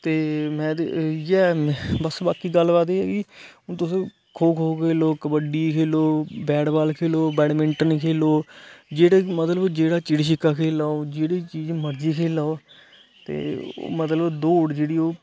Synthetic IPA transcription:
t̪eːmɛ̃ːd̪jɛːbəsbaːkiːɡəlːʋaːt̪eɛ̰ːɡit̪ʊsĩː | kʰoːkʰoːkeːloːkəbəɖiːkʰeːloːbɛːɽbaːlkʰeːloːbɛːɽmɪɳʈənkʰeːloːd͡ʒeːɽaːmət̪ləbd͡ʒeːɽaːt͡ʃɪɽʃ̬ɪkːaːkʰeːlaːoːd͡ʒeːɽiːt͡ʃiːd͡ʒməɾd͡ʒiːkʰeːlaːoː | t̪ḛːo̰ːmət̪ləbd̪oːɽd͡ʒeːɽiːoː

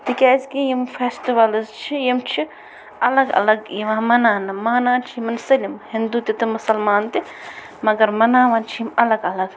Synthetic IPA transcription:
t̪ikʲaːskijimfʰeːsʈiʋɐlzt͡ʃʰijimt͡ʃʰi | ɐlɐɡɐ̰lɐɡjiʋãːmɐnaːnɐmaːnaːnt͡ʃʰijimɐnsɐlʲimhind̪ut̪ʲit̪ɨmɐsɐlmaːnt̪i | mɐɡɐɾmɐnãːʋɐnt͡ʃʰiimɐlɐɡɐlɐɡ

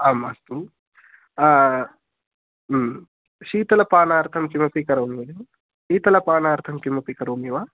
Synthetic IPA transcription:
aːmast̪u | ʃiːt̪ɐlɐpaːnaːɾt̪ʰɐmkimɐpikɐɾomujɐm | ʃiːt̪ɐlɐpaːnaːɾt̪ʰɐmkimɐpikɐɾoːmiʋaː

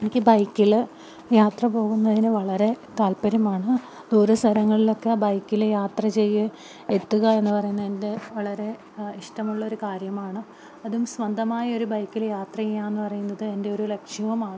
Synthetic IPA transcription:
e̞nikʲːɨbɐjkːil | jaːt̪rɐpo̞ːɣunːɐðinɨʋɐɭɐɾe̞t̪aːlpɐɾɐmaːɳɨ | d̪uːɾɐst̪ʰɐɾɐŋːɐɭilo̞kːe̞bɐjkːiljaːt̪rɐt͡ɕe̞jːɨ | e̞t̪ːuɣɐe̞nːɨpɐrɐjunːɐende̞ʋɐɭɐɾe̞ | iʂʈɐmuɭːɐo̞ɾukaːɾjɐmaːɳɨ | ɐðumsʋɐnd̪ʱɐmaːjɐo̞ɾubɐjkːiljaːt̪rɐjijːaːenːɨpɐrɐjunːɐðɨe̞nde̞o̞ɾulekʂjɐʋɐmaːɳ

